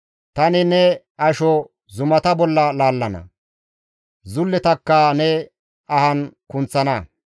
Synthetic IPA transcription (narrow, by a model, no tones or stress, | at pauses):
t̪ɐnɪnɛ | ɐʃɔ | zʊmɐt̪ɐbɔlːɐlaːlːɐnɐ̰ | zʊlːɛt̪ɐkːɐnɛ | ɐhɐnkʊnt͡sːɐnɐ